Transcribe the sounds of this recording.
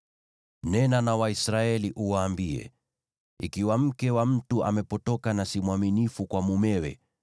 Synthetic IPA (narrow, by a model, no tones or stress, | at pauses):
nɛnanawaisɾaɛliʔuwaːmbiɛ̰ | ikiwam̩kɛwam̩tua̰mɛpɔtɔkanasimwaminifukwamumɛwɛ̰